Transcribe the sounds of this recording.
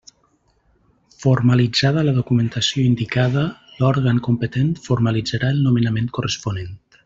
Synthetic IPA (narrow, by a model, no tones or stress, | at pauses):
fuɾmalid͡zað̞ələðukument̪asioind̪ikaðəlɔɾɣaŋkumpət̪ent̪fuɾmalid͡zaɾaəlˠnumenamẽnt̪kurespunent̪